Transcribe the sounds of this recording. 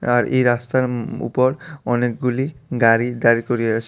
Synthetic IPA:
aɾʔḛjɾast̪aɾṵpoɾɔnek̚ɡuliɡaɾid̪aɾikoɾieaʃ

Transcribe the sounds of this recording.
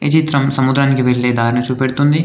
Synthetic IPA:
ɪd͡ʒit̪ɾɐmsɐmud̪ɾaːnkeʋelːed̪aːɾnɐt͡ʃʰupeɽt̪ũnd̪iː

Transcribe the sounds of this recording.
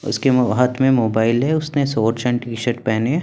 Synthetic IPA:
ʊ̰skeɦɐt̪ʰmẽmoːbaːɪlɦɛʊsnesoːɾt͡ʃɛ̃ɳʈiːʃəɾʈ̚pɛːne

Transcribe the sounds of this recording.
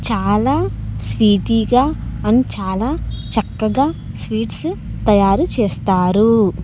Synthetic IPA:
t͡ʃaːlaːsʋiːʈiɡaːɐnit͡ʃaːlaːt͡ʃɐkːɐɡaː | sʋiːʈst̪ɐjaːɾut͡ʃeːst̪aːɾu

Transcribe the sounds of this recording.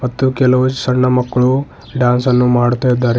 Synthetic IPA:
mɐt̪ːukelɐʋɐt͡ʃsɐɾɳɐmɐkːɭu | ɖaːnsɐnːumaːɽt̪ujed̪ːaːɾ

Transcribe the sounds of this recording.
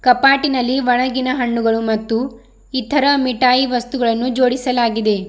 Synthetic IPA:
kɐpaːʈinɐlːiʋɐɭɐɡinɐɦɐɳːuɡɐɭumɐt̪ːu | it̪ʰɐɾɐmiʈaːjiʋɐst̪uɡɐɭɐnːud͡ʒo̞ːɽisɐlaːɡid̪e̞

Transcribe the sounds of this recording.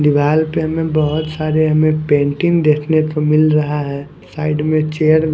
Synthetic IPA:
d̪ɪʋaːlpeɦɐmẽbəɦʊt̪saːɾeɦɐmẽpẽːɳʈɪ̃ŋɡd̪eːkʰnet̪omɪlɾɐɦaɦɛː | saːɪɖmẽt͡ʃeːəɾ

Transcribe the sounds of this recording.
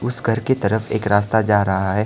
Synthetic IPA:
ʊsɡʱɐɾket̪ɐɾəfeːkɾaːst̪ad͡ʒaːɾɐɦaɦɛː

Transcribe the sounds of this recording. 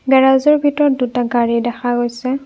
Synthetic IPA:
ɡaɹazɔɹbʱitɔɹɔt̚dutaɡaɹidɛxaɡojsɛ

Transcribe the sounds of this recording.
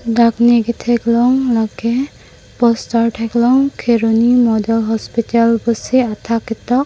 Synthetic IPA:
dakniɡɛt̪ʰɛklɔŋlaɡɛ | pɔstaɹʈʰɛklɔŋkʰeɹonimɔdɔlɦɔspitalbɔsiat̪ʰakɛt̪ɔk

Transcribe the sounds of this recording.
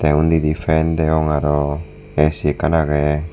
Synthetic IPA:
t̪eund̪id̪ifend̪eoŋaɾo | esikanaɣe

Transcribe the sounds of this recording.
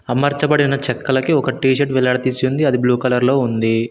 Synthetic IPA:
ɐmɐɾt͡ʃɐpɐɽinɐt͡ʃɛkːɐlɐkiɔkɐʈiːʃ̬ɐʈʋɛlɐɽɐt̪it͡ʃːund̪iɐd̪ibluːkɐlɐɾlo̞ːund̪i

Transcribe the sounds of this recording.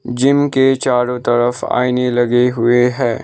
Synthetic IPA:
d͡ʒɪmket͡ʃaːɾõt̪ɐɾəfa̰ːɪnelɐɡeɦʊeɦɛː

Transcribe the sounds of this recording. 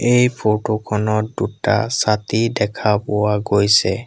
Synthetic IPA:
ejpʰotokʰɔnɔtduta̰satidɛkʰapɔwaɡojsɛ

